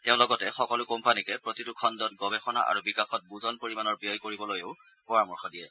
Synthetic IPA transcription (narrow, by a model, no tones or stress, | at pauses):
teʊ̃lɔɡɔtɛxɔkɔlʊkompanikɛpɹotitukʰɔndɔtɡɔbɛxɔna̰ʔa̰ɹubikaxɔt̚buzɔnpoɹimanɔɹbiɔjkoɹibɔlojeʊ | pɔɹamɔɹxʰɔdijɛ